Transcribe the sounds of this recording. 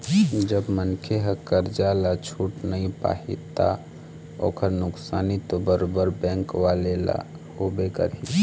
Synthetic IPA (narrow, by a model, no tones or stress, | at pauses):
d͡ʒəbmənkʰeɦəkəɾd͡ʒalat͡ʃʰuːʈnəĩpa̰ːɦḭt̪a̰ | o̰ːkʰəɾnʊksaːnit̪obəɾobəɾbɛ̃ːŋkʋalela̰ | hobekə̰ɾi